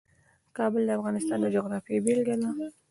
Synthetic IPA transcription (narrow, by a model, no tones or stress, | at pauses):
kɑbəld̪əafɣɑnɪst̪ɑnd̪əd͡ʒʊɣɾɑfibelɡala